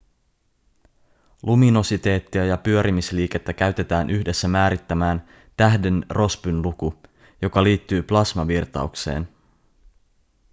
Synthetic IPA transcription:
lʔumino̞sit̪e̞ːt̪ːiæjɑpyø̞ɾʔimisliːke̞t̪ːækæɥt̪e̞t̪æːnʔyçde̞sːæmæːɾit̪ːæmæːn | t̪æɦde̞nrʔo̞spynluku | jo̞kɑliːt̪ːyːplɑsmɑʋirt̪ɑ̰ukse̞̰ːn

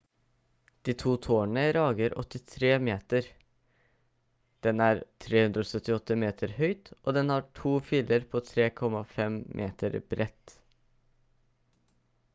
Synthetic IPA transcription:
d̪̥iːt̪ʰuːt̪ʰoːəɳəɾɑːɡəɾʔɔ̰t̪ɪt̪ʰɾeːmeːt̪əɾ | d̪̥ɛnæːɾt̪ʰɾeːhʉnd̪ɾoːsœt̪ɪɔt̪ːəmeːt̪ʰəɾhœʏt̪ʔoːd̪ɛnhɑːʈʰuːfɪləɾpʰoːt̪ʰɾeːkʰɔmɑfɛmmʔeːt̪əɾbɾʔɛt̪

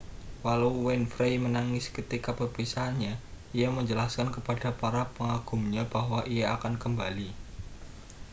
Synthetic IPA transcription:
walawwɛnfɾejmənaŋɪskət̪ikapəpisanɲa | ijaməɲd͡ʒəlaskankəpad̥apaɾapəŋaɡ̥umɲab̥aɦwaʔijaːkankəmbali

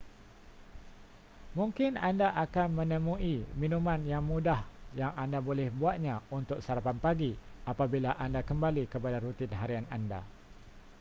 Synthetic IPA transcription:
mũŋkɪnandaʔakanmə̃nəmũimĩnumãnjaŋmudahjaŋandabolɛhbuat̪̚ɲãunt̪ʊk̚saɾapanpaɡiapabilaʔandakəmbalikəpadaɾut̪ɪnɦaɾiananda̰

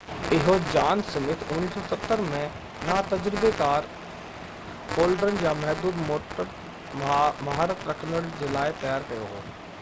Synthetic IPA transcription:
ɪɦod͡ʑaːnsɐmɪt̪ʰʊnnːiːsɔ̃sɐt̪ːəɾmɛ̃ | nat̪ɐd͡ʑɾɪbekaːɾ | oːlɖɾənɪ̆jaːmɐɦd̪uːd̪moːʈəɾ | mɐɦaːɾət̪ɾɐkʰnəɽd͡ʑeːlaːɪt̪ɐjaːɾkɐjoɦo̰ː

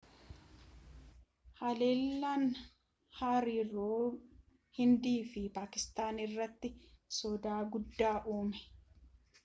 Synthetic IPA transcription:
hɐle̞ːlːan | haːɾɪɾoː | hɪnd̪iːfɪpaːkɪst̪aːnɪrːɐt̪ːɪsɔd̪aːɡʊd̪ːaːʔuːmɛ̥

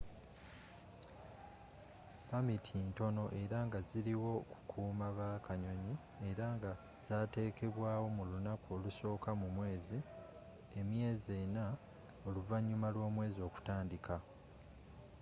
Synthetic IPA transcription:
pamitʰinto̞no̞ʔe̞ɾaŋɡaziliwo̞ku̥kʰuːmaβakaɲo̞ɲi | e̞ɾaŋɡa | z̥aːte̞ːkʰe̞βwaːwo̞mulunakuo̞ːluso̞ːkamumwe̞ːzi | e̞mje̞ːzena | o̞luvaɲːumalwo̞ːmwe̞ːzio̞ːku̥taːndikʰa

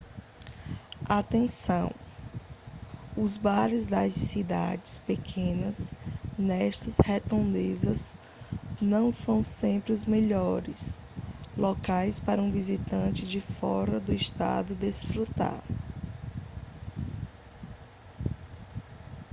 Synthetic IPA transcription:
at̪ẽsɐ̰̃w̃ | ʊzbaɾɪzd̪ɐssid̪a̰d͡ʒɪspekʰẽnɐsnɛʃt̪ɐshet̪õd̪ezɐz | nɐ̃w̃sɐ̃w̃sẽmpɾɪʊzmeʎɔɾɪs | lɔkajspaɾɐũvizit̪ɐ̃t͡ʃɪd͡ʒɪfɔɾɐd̪ʊiʃt̪a̰d̪ʊd̪esfɾut̪a̰ɾ

